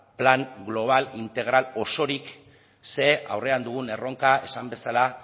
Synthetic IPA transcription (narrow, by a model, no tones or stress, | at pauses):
plaŋɡlo̞β̞alint̪e̞ɣ̞ɾalo̞so̞ɾik | se̞a̰wre̞and̪uɣ̞une̞ro̞ŋkae̞sambe̞sala